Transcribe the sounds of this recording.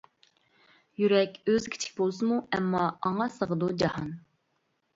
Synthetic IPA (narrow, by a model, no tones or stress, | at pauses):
jyɾɛkʲøzkʲʰi̥t͡ʃʰɪ̥k̚ʲbolˠsɨmuɛmːɑɑɴɑsəʁəd̪ud͡ʒɑhɑn